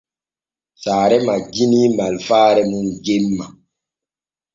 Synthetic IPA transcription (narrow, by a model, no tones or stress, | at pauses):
saːɾɛmaɡinimalfaːɾɛmunɡemːa